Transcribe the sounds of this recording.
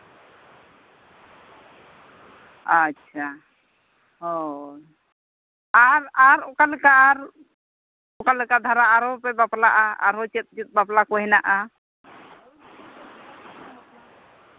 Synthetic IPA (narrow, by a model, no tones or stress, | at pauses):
atːt͡ʃʰa | ɦɔ | aɾaɾɔkalɛkaʔaɾ | ɔkalɛkad̪ʱaɾaʔaɾɔpɛbaplaʔaa̰ɾɔt͡ʃɛt̪̚t͡ʃit̪̚baplakɔɦɛnaʔa